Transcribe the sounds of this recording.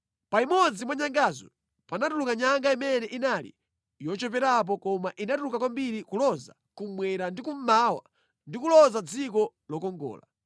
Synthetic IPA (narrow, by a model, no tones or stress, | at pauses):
paimɔd͡zimwaɲaŋɡaːzɔ̰ | panatulukaɲaŋɡaimɛnɛʔinalḭ | jɔt͡ʃɔpɛɾap̬ɔkɔmaʔinatulukakwambiɾikulɔza̰ | kumwɛɾandikum̩mawa̰ | ndikulɔzad͡zikɔ | lɔkɔŋɡɔ̰ːla